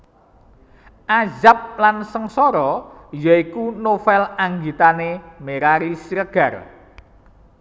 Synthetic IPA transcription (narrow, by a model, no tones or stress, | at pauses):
ʔazap̚lansəŋsɔɾɔjaikunofɛlaŋɡit̪anemeɾaɾisɾəɡ̥a̤r